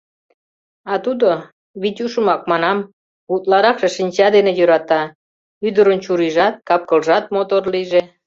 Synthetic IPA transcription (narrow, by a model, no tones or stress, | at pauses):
ɑt̪ud̪o | βit̪ʲuʃəmɑk̚mɑnɑm | βut̪lɑɾɑkʃeʃinʲt͡ɕɑd̪enejøɾɑt̪ɑ | yd̪əɾənt͡ɕuɾiʒɑt̪̚kɑp̚kə̆lʒɑt̪̚mot̪orliʒe